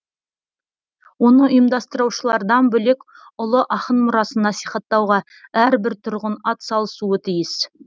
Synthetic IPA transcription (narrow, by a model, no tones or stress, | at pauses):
wo̞nəʊjəmd̪ɑst̪əɾɑwʃəlˠɑɾd̪ɑnbɵlek | ʊlˠəʔɑχənmʊɾɑsənːɑsijχɑt̪ːɑwʁɑ | æɾbɪɾt̪ʰʊɾʁʊnɑt̪sɑlˠəsuət̪ʰijɪs